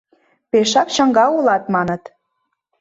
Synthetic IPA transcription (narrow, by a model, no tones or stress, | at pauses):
peʃɑkt͡ɕəŋɡɑulɑt̪mɑnə̆t̪